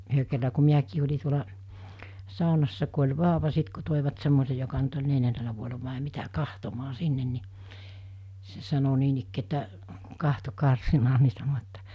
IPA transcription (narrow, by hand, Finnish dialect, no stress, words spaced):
yhø kerːɑ ku miækiː olʲi tuolɑ sɑˑonɑsːɑ ku olʲ ʋɑːŏʋɑ sit ku toˑiʋɑt semːose jokɑ nyt olʲ neljænːelæ ʋuoelɑ ʋɑˑe mitæ kɑhtomɑː sinːen ni se sɑno niːnikːiː etːæ kɑhto kɑrsinɑː ni sɑno etːæ